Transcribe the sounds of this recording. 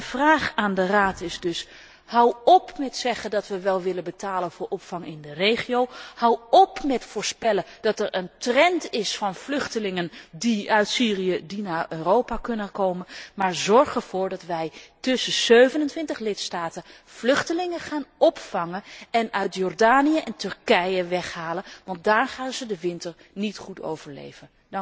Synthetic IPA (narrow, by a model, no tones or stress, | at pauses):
əv̥raːχaːndəraːtʰɪzdɵs | hawɔpmɛtsɛχədɑtʋəʋɛlˠʋɪlənbətaːlənvʊːɹʔɔpfɑŋɪndərejχiowhawɔpmɛtfʊːɹspɛlə | d̥ɑtɛɹʔəntrɛntɪsfɑnvlɵχtəlɪŋəndiœɥtsiːrijədinaːɹøːrowpakɵnəkowmənmaːɹzɔɹχəɹv̥ʊːɹdɑtʋɛjtɵsəz̥øɥvənəntʋɪntəχlɪtstaːtə | flɵχtəlɪŋəχaːnɔpfɑŋənɛnœɥtjɔɹdaːnijəʔɛntɵɹkɛjəʋɛχɦaːlənʋɑntdaːrχaːnzədəʋɪntəɹ | nitχuto̰wvəɹlḛjvən